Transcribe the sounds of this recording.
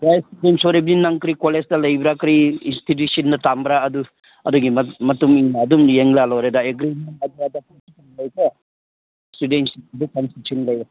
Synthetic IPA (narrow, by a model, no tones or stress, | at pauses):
bajstudensoɾebninaŋkɾikolestɐlɐjbɾakɾiinstit̬jusinːɐtambɾaɐdu | ɐduɡimmɐtumiŋadumjeŋlalɔɾedaeɡɾimentaɡiɾadɐpuŋsitanlɐjkɐ | studensiidukɐnsisʰinlɐja